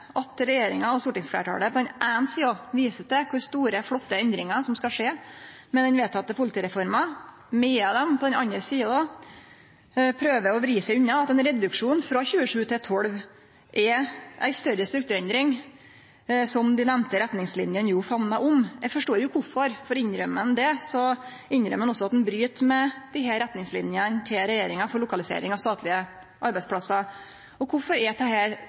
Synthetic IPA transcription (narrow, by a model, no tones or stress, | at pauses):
ʔɑt̪ɾɛjeːɾɪŋɑɔst̪uːʈɪŋsflḛːʈʰɑ̰ːɽəpʰɔɛnʔæːnsiːɑʋiːsəsd̪ɛkʰʊɾst̪uːɾəfɽɔt̪ːəɛnd̪ɾɪŋɑsɔmskɑʂeːmɛd̪ɛnʋeːt̪ʰːɑt̪ːəpʰʊlɪt̪iːɾɛfɔɾmɑ | mɛɑd̪ɛmpʰɔd̪ɛnɑnəɾsiːɑd̪ɑ | pʰɾøːʋəɔʋɾiːsæɪʉnːɑɑt̪ɛnɾɛd̪ʉkʂuːnfɾɑçʉːəʂʉːt̪ʰɪt̪ʰɔɽʋ | ʔɛʔæ̰ɪst̪œɾəst̪ɾʉkt̪ʉːɾɛnd̪ɾɪŋ | sɔmd̪ɪnɛmnt̪əɾɛt̪nɪŋslɪnjənjuːfɑnːɑʔʊmɛfɔʂʈoːɾjʊkʰʊfɔɾfɔɾɪnɾœmːənd̪ɛsɔ | ɪnɾœ̰mːənɔsːɔɑt̪̚d̪ɛnbɾyːt̪mɛd̪̥ɪɦæːɾɛt̪nɪŋslɪ̰njənt̪ʰɪlɾɛjeːɾɪŋɑfɔɾɭʊkɑlɪsḛːɾɪŋɑʋst̪ɑːt̪lɪə | ʔɑɾbæɪsplɑsːɑ | ɔkʰʊfɔɾɛt̪ʰɛhæːɾ